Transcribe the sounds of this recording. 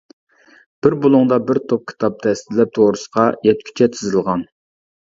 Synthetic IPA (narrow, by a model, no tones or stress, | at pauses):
b̥ɪɾbolˠʊŋd̪ɑbɪɾt̪ʰop̚kʲʰi̥t̪ʰɑp̚d̪ʰɛst̪ɪlɛp̚t̪ʰoɾɨsə̥qʰɑjɛt̪̚kʲʰy̥t͡ʃʰɛt̪ʰɪzɨlˠʁɑn